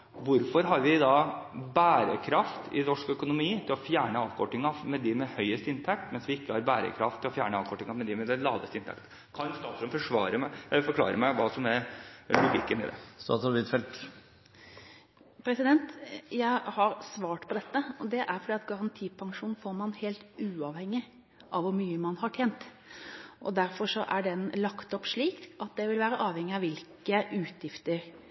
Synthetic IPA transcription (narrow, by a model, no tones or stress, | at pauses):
ʋʊɾfɔɾɦɑɾʋɪd̪ɑbæːɾəkʰɾɑft̪ʰɪ̰nɔʂkœkʊnʊmiːt̪ʰɪlɔfjæːɳəɑːʋkʰɔʈːɪŋɑmɛd̪ɪmɛhœʏəst̪ɪnt̪ʰæk̚t̪mɛnsʋɪɪkːəhɑɾbæːɾə̰kʰɾɑft̪ʰːɪlɔfjæːɳəɑːʋkʰɔʈːɪŋɑmɛd̪ɪmɛd̪ɛlɑːd̪ə̰st̪ɪnt̪ʰæ̰k̚t̪ | kʰɑnst̪ɑːt̪sɔɾmfɔʂʋɑːɾəmfɔɾkʰlɑ̰ːɾə̰mæɪʋɑːsɔmɛɾlʊɡɪkːənɪ̰d̪ɛ̰st̪ɑ̰t̪sɑʋɪt̪fɛlt̪ | pʰɾɛsɪd̪ɛnt̪jæɪhɑɾsʋɑːʈpʰɔd̪ɛt̪ːəɔd̪ɛʔæɾfɔɖiːɑt̪ɡɑɾɑnt̪ʰiːpʰɑŋʂuːn̩foːɾmɑnheːlt̪ʉːɑʋhɛŋːɪ | ʔɑʋʊɾmyːəmɑnhɑʈʰjeːnt̪ | ʔɔ̰d̪æɾfɔɾʂɔʔæɖɛnlɑkt̪ɔpːʂɭiːkʔɑt̪̚d̪ɛʋɪlʋæːɾəʔɑːʋhɛŋːɪɑʋɪlkəʔʉːt̪ʰjɪft̪əɾ